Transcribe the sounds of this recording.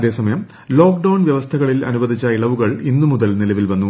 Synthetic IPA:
ɐðe̞ːsɐmɐjɐm | lo̞ːk̚ɖɐwɳʋjɐʋɐst̪ʰɐɣɐɭilɐ̰nubɐd̪ʱit͡ɕːɐiɭɐʋuɣɐɭinːumuðɐlnilɐʋilʋɐnːu

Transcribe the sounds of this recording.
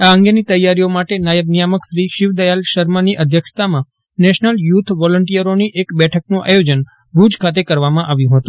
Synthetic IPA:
aəŋɡenit̪əjːaɾijomaʈenajəbnijaməkʃɾiʃɪʋd̪əjalʃəɾmaniʔəd̪ʱjəkʃə̥t̪amã | nɛʃnəljut̪ʰʋɔləɳʈijəɾoniʔekbɛʈʰəknũʔa̰jod͡ʒən | bʱud͡ʒkʰat̪ekəɾʋamãʔaʋjũɦət̪ũ

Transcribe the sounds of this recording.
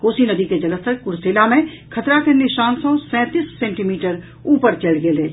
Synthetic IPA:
koːsinɐd̪iked͡ʒɐləst̪əɾkʊɾseːlamẽ | kʰɐt̪ɾakeniʃãːnsõsɛ̃ːt̪iːsːɛ̃ːɳʈimiːʈəɾ | uːpəɾt͡ʃelɡeleː

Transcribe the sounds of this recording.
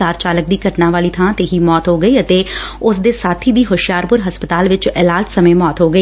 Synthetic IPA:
aːɾt͡ʃaːlək̚d̪iːkəʈnãːʋaːliːt̪ʰãːt̪eːɦiːmɔːt̪ɦoːɡəiːət̪eːʊsd̪eːsaːt̪ʰiːd̪iːɦʊʃjaːɾpʊɾɦəspət̪aːlʋɪt͡ʃɪlaːd͡ʒsəmẽːmɔːt̪ɦoːɡəiː

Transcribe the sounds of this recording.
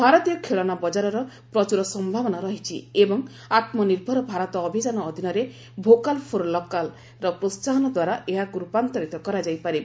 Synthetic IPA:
bʱaɾɔt̪ijɔkʰeɭɔnabɔd͡ʒaɾɔɾɔ | pɾɔt͡ʃuɾɔsɔmbʱabɔnaɾɔɦit͡ʃʰḭebɔŋ | at̪mɔniɾbʱɔɾɔbʱaɾɔt̪ɔːbʱid͡ʒanɔːd̪ʱinɔɾe | bʱokalpʰoɾlɔkal | ɾɔpɾost͡ʃaɦɔnɔd̪waɾaʔeɦaɡɾupant̪ɔɾit̪ɔkɔɾad͡ʒajpaɾi

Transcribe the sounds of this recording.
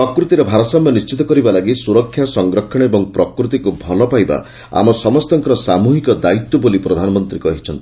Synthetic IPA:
pɾɔkɾut̪iɾebʱaɾɔsamjɔnist͡ʃit̪ɔkɔɾibalaɡisuɾɔkʰːjasɔŋɡɾɔkʰːɔɽ̃ebɔŋpɾɔkɾut̪̬ikubʱɔlɔpajba̰ | a̰mɔsɔmɔst̪ɔŋkɔɾɔsamuɦikɔd̪ait̪ːɔbolipɾɔd̪ʱanɔmɔnt̪ɾikɔɦit͡ʃʰɔnt̪ii

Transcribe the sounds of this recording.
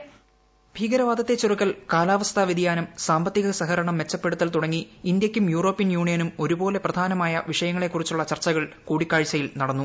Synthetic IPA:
bʱiːɡɐɾɐʋaːd̪ʱɐt̪ːet͡ɕːurukːɐlkaːlaːʋɐst̪ʰaʋid̪ijaːnɐmsaːmbɐt̪ːiɣɐsɐɦɐɾɐɳɐmʋe̞t͡ɕːɐpːe̞ɽut̪ːɐlt̪uɽɐŋːiːnd̪jɐkʲːumjuːro̞ːpːijɐnjuːɳijɐnumo̞ɾubo̞ːle̞prɐd̪ʱaːnɐmaːjɐ̰ʋiʂɐjɐŋːɐɭe̞kːurit͡ɕːuɭːɐt͡ɕɐrt͡ɕːɐɣɐɭkuːɽikːaːɻt͡ɕːɐjilnɐɽɐnːu

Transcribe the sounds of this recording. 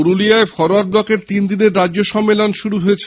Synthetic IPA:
oɾuliaefɔɾoaɾ̚blɔkeɾt̪ind̪ineɾːadʑoʃɔmːelonʃuɾuɦoet͡ɕʰe

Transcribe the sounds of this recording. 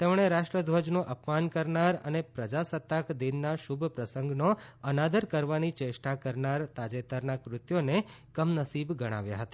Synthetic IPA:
t̪emɳ̃eɾaʃʈɾəd̪ʱʋəd͡ʒnõʔəpmankəɾnaɾə̰nepɾəd͡ʒasət̪ːakd̪inːaʃubʱpɾəsəŋɡnoənad̪əɾkəɾʋanit͡ʃeʃʈakəɾnaɾt̪ad͡ʒet̪əɾnakɾʊt̪jonekəmnəsibɡəɽ̃a̰ʋja̰ɦət̪ḁ

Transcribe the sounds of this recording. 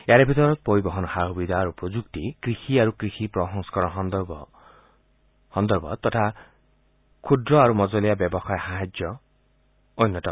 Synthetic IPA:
eaɾebʱit̪ɔɾɔt̪̚poɾibɔɦɔnɔhaɦubid̪ʱaːɾupɔd͡ʒukt̪ikɾixiaɾukɾixipɾɔɦɔŋsɔ̥kɔɾɔɦnd̪b | hɔnd̪ɔɾbʱɔ̰t̪ɔʈʰa | kʰud̪ɾɔaɾumɔd͡ʒɔlijabjɔbɔxajɦaɦad͡ʒjɔ | ɔjnːɔtɔ

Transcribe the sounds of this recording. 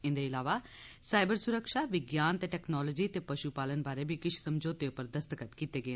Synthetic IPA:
ɪ̃nd̪eɪlaːʋa | saːɪbəɾsʊɾəkʃaːʋɪɡjaːnt̪eːʈɛːknɔːlɔːd͡ʒiːt̪eːpəʃupaːlənbaːɾebʱikɪt͡ʃʰsəmd͡ʒoːt̪eopəɾd̪əst̪əkət̪kiːt̪eːɡəeː

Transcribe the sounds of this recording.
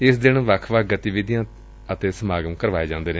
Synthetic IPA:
ɪsd̪ɪɳːʋəkʰʋəkɡət̪iːʋɪd̪ijãː | ət̪eːsəmaːɡəmkəɾʋaːeːd͡ʒãːnd̪eːneː

